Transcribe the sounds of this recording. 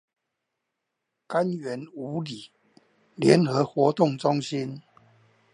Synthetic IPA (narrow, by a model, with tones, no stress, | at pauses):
ka˦nɥɛ˨˦nu˨˦li˨˩ | ljɛ˨˦nxɤ˨˦xwɔ˨˦t̪ʊ˥˨ŋʈ͡ʂʊ˦ŋɕi˦n